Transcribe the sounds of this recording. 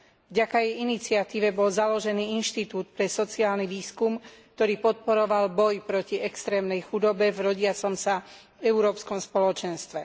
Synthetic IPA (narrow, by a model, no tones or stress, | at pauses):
vɟakajɛjinit͡sɪat̪iːʋɛbɔlzalɔʒɛniːinʃt̪it̪uːt̪̚pɾɛsɔt͡siaːlniʋiːskumk̚t̪ɔɾiːpɔt̪̚pɔɾɔʋalbɔjpɾɔciɛkst̪ɾɛːmnɛjxud̪ɔbɛvɾɔɟɪat͡sɔmsa | ɛuɾɔːpskɔmspɔlɔt͡ʃɛnst̪ʋɛ